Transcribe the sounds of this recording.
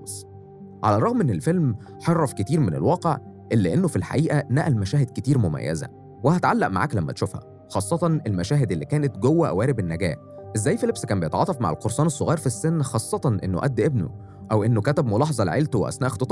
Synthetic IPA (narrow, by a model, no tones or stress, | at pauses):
s | ʕa̰lærˤɑɣmʔenːelfelm | ħerˤːɑfket̪iːɾmenḛlwɑːqeʕ | ʔelːiʔenːofilħa̰ʔiːʔænæʔælmæʃæːhed̪̚ket̪iːɾmomæ̰jːæ̰zæ̰ | wehæt̪ʕalːæʔma̰ʕa̰ːklæmːæ̰t̪ʃufhæ̰ | xɑːsˤːɑt̪ˤɑnelmæʃæːɦed̪elːiːkæːnet̪ɡowːæʔæ̰wæːɾebenːæɡæ̰ːħ | ʔezːæːjːfelebskæːmbejet̪ʕɑ̰ːt̪ˤɑfma̰ʕḛlqoɾˤsˤɑːnesˤːoɣɑːɾˤfisːenːxɑːsˤːɑt̪ˤɑnʔenːo̰ʔæ̰d̪ːʔebno̰ | ʔæwʔenːokæt̪æbmolɑːħɑzˤɑlʕelt̪owḛʔæ̰snæːʔext̪et̪ˤɑ